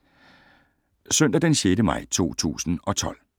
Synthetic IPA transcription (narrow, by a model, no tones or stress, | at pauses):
søn̰d̥æd̥enɕeːdəmɑ̈ɪ̰t͡sʰo̝̰ːt͡sʰṵːsn̩ɒ̽t͡sʰɒ̽l̰